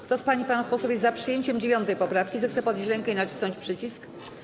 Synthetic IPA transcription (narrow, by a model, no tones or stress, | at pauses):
kt̪ɔspaɲipanafpɔsɛwjɛzzapʂɨjeɲt͡ɕɛmd͡ʑevʲjɔnt̪ɛjpɔpɾafkʲizɛxt̪sɛpɔd̪ɲet͡ɕɾɛŋkɛinat͡ɕi̥snɔɲt͡ɕʲpʂɘt͡ɕisk